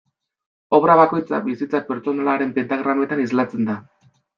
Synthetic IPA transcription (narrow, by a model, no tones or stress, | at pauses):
o̞βɾaβako̞jt͡sa̰βisit͡sape̞ɾt͡so̞nalaɾe̞mpent̪aɣɾanoet̪anizlat͡se̞nd̪a